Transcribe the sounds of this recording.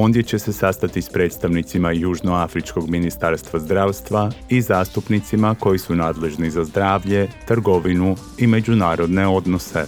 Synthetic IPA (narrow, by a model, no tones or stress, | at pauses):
o̞ːnd̪je̞t͡ɕe̞se̞sast̪at̪ispɾe̞ːt̪st̪aʋnit̪simajuːʒnoafɾit͡ʃko̞ɡminist̪aːɾst̪ʋazd̪ɾaːʋst̪ʋaizaːst̪upnit̪simako̞jisunaːd̪le̞ʒnizazd̪ɾaːʋʎe̞t̪ɾɡo̞ʋinu | ime̞d͡ʑunaːɾo̞d̪ne̞o̞d̪no̞se̞̰